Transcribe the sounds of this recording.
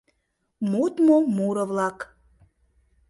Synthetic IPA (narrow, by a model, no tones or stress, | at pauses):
mut̪momuɾə̆vlɑk